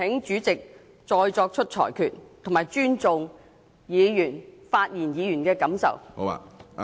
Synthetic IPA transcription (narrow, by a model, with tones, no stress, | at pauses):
ɪ˨˥ŋt͡ʃyː˨˥t͡sɪ˨k̚ | t͡sɔː˧jt͡ʃɔː˧k̚t͡ʃʰɵ˥t̚t͡ʃʰɔ̰ː˨˩jkʰyː˨t̚t̪ʰŋmaː˨˩jt͡ʃyː˥nt͡sʊ˨ŋ | jiː˨˧jyː˨˩nfaː˧t̚jiː˨˩njiː˨˧jyː˨˩nkɛː˧kɐ˨˥msɐ̰˨w̰